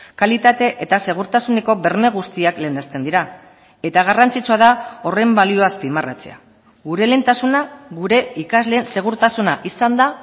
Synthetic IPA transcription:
kalit̪at̪e̞ʔet̪ase̞ɣ̞uɾt̪asuneko̞βe̞ɾme̞ɣ̞ust̪iakle̞ːnd̪est̪e̞nd̪iɾa | e̞t̪aɣ̞arant͡sit͡suaðao̞re̞mbalio̞aspimara̰t͡se̞̰a | ɣuɾe̞le̞nt̪asunaɣuɾe̞ikazle̞ːnse̞ɣ̞uɾt̪asunaʔisand̪a

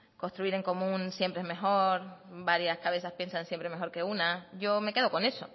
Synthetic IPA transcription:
ko̞nst̪ɾuiɾe̞ŋko̞mũnsje̞mpɾeezme̞xo̞ɾbaɾjaskaβe̞saspje̞nsansje̞mpɾe̞me̞xo̞ɾke̞unaɟ͡ʝo̞me̞ke̞ðo̞ko̞ne̞so̞

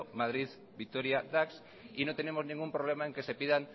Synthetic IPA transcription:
omað̞ɾið | bik̚t̪oɾjad̪aks | inot̪enemoznĩŋɡumpɾoβlemaeŋkesepiðaŋ

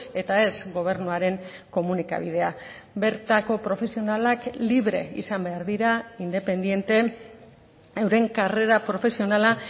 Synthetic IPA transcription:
e̞t̪ae̞zɡo̞β̞e̞ɾnuaɾe̞ŋko̞munika̰βið̞e̞a | be̞ɾt̪ako̞pɾo̞fe̞sionalakliβɾe̞̰ḭsambe̞aɾðiɾaind̪e̞pe̞nd̪ie̞nt̪e̞ | ewɾe̞ŋkare̞ɾapɾo̞fe̞sio̞nala

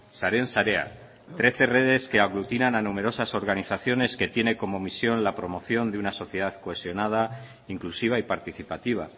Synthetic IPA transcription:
saɾe̞nsaɾe̞a̰ | t̪ɾe̞θe̞re̞ð̞e̞ske̞aɣlut̪inananume̞ɾo̞saso̞ɾɣaniθaθjo̞ne̞ske̞t̪je̞ne̞ko̞mo̞misjo̞nlapɾo̞mo̞θjo̞nd̪eunaso̞θje̞ðaðkoe̞sjo̞nað̞a | iŋklusiβaipaɾt̪iθipat̪iβ̞a̰

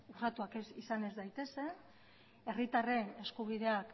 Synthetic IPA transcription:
urat̪uakesisane̞zd̪ajt̪e̞se̞ | e̞rit̪are̞ne̞skuβ̞iðe̞ak

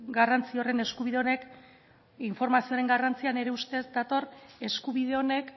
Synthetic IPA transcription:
ɡarant͡sio̞re̞ne̞skuβiðe̞o̞ne̞k | iɱfo̞ɾmasioaɾe̞ŋɡarant͡siane̞ɾe̞ust̪e̞zd̪at̪o̞re̞skuβiðe̞o̞ne̞k

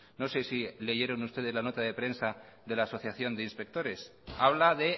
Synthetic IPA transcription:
no̞sesile̞ʝe̞ɾonust̪e̞ð̞ezlano̞t̪aðe̞pɾe̞nsa | ðe̞laːso̞θjaθjo̞nd̪einspe̞k̚t̪o̞ɾe̞saβ̞laðe̞

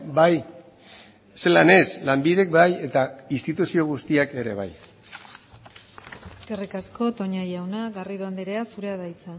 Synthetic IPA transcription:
baj | se̞lane̞slambiðe̞k̚baje̞t̪ainst̪it̪usio̞ɣ̞ust̪iake̞ɾe̞̰β̞a̰j | kerikasko̞t̪o̞ɲajawnaɣariðoand̪eɾeasuɾe̞aðajt͡sa

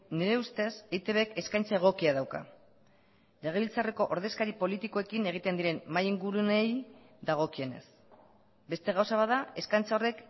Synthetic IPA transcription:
neɾe̞ust̪e̞se̞jt̪e̞βeke̞skajnt͡sae̞ɣ̞o̞kiaðawka̰ | le̞ɣ̞e̞βilt͡sare̞ko̞ʔoɾðe̞skaɾipo̞lit̪iko̞e̞kine̞ɣ̞it̪e̞nd̪iɾe̞nmajiŋɡuɾunej | ðaɣ̞o̞kie̞ne̞̰s | be̞st̪e̞ɣ̞awsaβaðae̞skajnt͡saore̞k

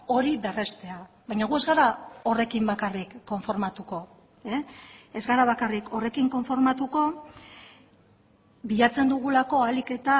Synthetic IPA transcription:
o̞ɾiβe̞re̞st̪e̞a | βajɲaɣ̞ue̞zɣaɾao̞re̞kimbakarikːo̞ɱfo̞ɾmat̪uko̞ | eezɣaɾaβ̞akariko̞re̞kiŋko̞ɱfo̞ɾmat̪uko̞ | biʎat͡se̞nd̪uɣulako̞alike̞t̪a

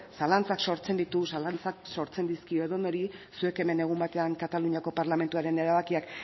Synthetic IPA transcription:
salant͡sakso̞ɾt͡se̞nd̪it̪usalant͡sakso̞ɾt͡se̞nd̪iskio̞eðono̞ɾisue̞ke̞me̞ne̞ɣ̞umbat̪e̞aŋkat̪aluɲako̞paɾlame̞nt̪uaɾe̞ne̞ɾaβakiak

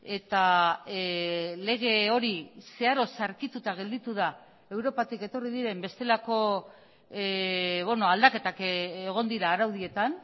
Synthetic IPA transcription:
e̞t̪a | le̞ɣ̞e̞o̞ɾise̞aɾo̞saɾkit̪ut̪aɣ̞e̞ld̪it̪uða | e̞wɾo̞pat̪ike̞t̪o̞riðiɾe̞mbe̞st̪e̞lako̞ | βono̞ald̪ake̞t̪akeɣ̞o̞nd̪iɾaːɾawðie̞t̪an

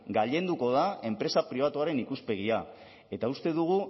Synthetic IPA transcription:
ɡaʎe̞nd̪uko̞ð̞ae̞mpɾe̞sapɾiβ̞at̪uaɾe̞nikuspe̞ɣia | e̞t̪aust̪e̞ðuɣ̞u

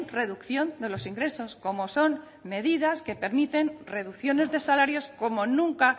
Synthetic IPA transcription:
re̞ðukθjo̞nd̪e̞lo̞siŋɡɾe̞so̞sko̞mo̞so̞n | me̞ðiðaske̞pe̞ɾmit̪e̞nre̞ðukθjo̞ne̞zðe̞salaɾjo̞sko̞mo̞nũŋka

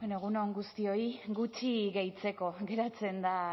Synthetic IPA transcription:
enoeɣunoŋɡust̪io̞iɡut͡ʃiɣejt͡se̞ko̞ɡe̞ɾat͡se̞nd̪a

